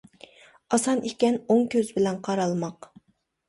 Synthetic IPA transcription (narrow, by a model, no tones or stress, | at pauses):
ɑsɑnʔikʲɛnoŋkʲʰøzbɪlɛnqʰɑɾɑlˠmɑq